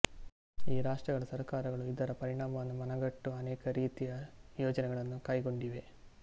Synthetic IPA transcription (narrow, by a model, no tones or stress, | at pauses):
iːɾaːʂʈrɐɣɐɭɐsɐɾkaːɾɐɣɐɭuid̪ɐɾɐpɐɾiɳaːmɐʋɐnːumɐnɐɡɐʈːuɐneːkɐɾiːt̪ijɐjoːd͡ʒɐneɡɐɭenːukɐjɡo̞ɳɖiʋe̞